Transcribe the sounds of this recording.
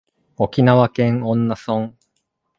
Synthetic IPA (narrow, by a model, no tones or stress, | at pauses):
o̞kʲinaβakẽ̞ŋõ̞nːasõŋ